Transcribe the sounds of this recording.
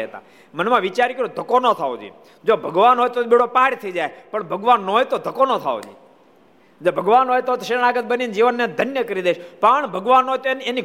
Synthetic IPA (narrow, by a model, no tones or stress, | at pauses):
ət̪ã̰ | mənmãʋit͡ʃaɾikəɾod̪ʱəkonot̪ʰao̰d͡ʒḭ | d͡ʒobʱəɡʋanɦojt̪oɓeɽopaɽt̪ʰəd͡ʒajpəɳbʱəɡʋanːojt̪od̪ʱəkonot̪ʰa̰o̰d͡ʒḭ | d͡ʒobʱəɡʋanɦojt̪ot̪ʃeɾɳ̃aɡət̪̚bənind͡ʒiʋənːẽd̪ʱənjəkəɾid̪eʃpəɳbʱəɡʋanɦojt̪oeneni